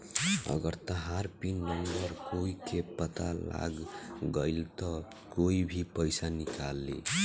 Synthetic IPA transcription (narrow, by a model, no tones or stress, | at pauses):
ʌ̰ɡʌɾt̪ʌɦaɾpinːʌmbʌɾkoikepʌt̪a̰la̰ɡɡʌjlt̪ʌ | koibʱipʌjsanikalːḛ